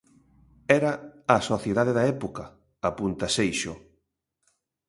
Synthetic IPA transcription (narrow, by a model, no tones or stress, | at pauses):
ɛɾɐːsoθjeðaðeðaɛpokɐː | punt̪ɐsejʃo